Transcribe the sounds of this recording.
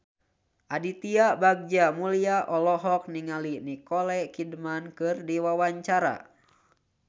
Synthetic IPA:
ʔadit̪iabaɡ̚d͡ʒamuliaʔɔlɔɦɔk̚niŋalinikɔlɛkidmankɨrdiwawaɲt͡ʃaɾa̰

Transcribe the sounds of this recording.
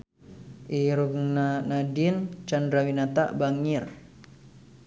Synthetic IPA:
ʔiɾuɡŋnanadint͡ʃandɾawinat̪a̰ʔbaŋɪr

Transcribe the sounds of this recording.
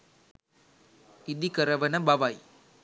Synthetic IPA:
ɪd̪ikɐɾɐʋɐnɐbɐʋaj

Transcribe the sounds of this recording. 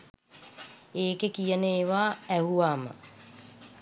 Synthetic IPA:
eːkekijəneːʋaːɛɦuaːmə̰

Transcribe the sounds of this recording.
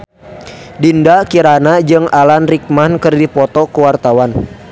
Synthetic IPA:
dindakiɾanad͡ʒɨŋalanrik̚mankɨrdipɔt̪ɔkəwart̪awan

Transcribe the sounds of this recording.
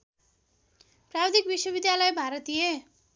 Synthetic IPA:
prabd̪ikbiswʌbid̪jalʌjbʱaɾʌt̪ije

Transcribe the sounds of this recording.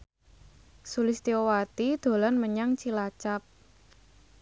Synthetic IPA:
sulɪst̪iowat̪id̪̥o̤lɔnməɲaŋt͡ʃilat͡ʃap̚

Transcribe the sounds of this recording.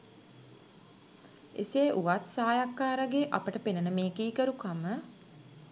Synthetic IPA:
ḛseːʔuʋat̪saːjakːaːɾəɡeʔapəʈəpenənəmeːkiːkəɾukamə

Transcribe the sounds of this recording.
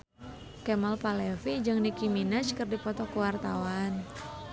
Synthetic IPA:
kɛmalpalɛfid͡ʒɨŋnikiminat͡ʃkɨrdipɔt̪ɔkuwart̪awan

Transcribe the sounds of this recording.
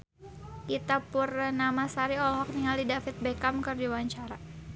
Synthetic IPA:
ʔit̪apurnamasaɾiɔlɦɔk̚niŋalidafit̪̚bɛkamkɨrd͡ʒuwaɲt͡ʃaɾa

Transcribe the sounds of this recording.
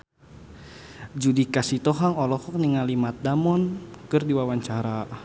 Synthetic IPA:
d͡ʒudikasit̪ɔɦaŋɔlɔhɔk̚niŋalimat̪̚damɔnkɨrdiwawaɲt͡ʃaɾa

